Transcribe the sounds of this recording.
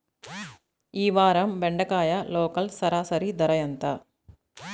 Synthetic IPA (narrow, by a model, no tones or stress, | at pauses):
iːʋaːɾɐmʋɛɳɖɐkaːjɐloːkɐlsɐɾaːsɐɾid̪ɐɾɐjɐnt̪ɐ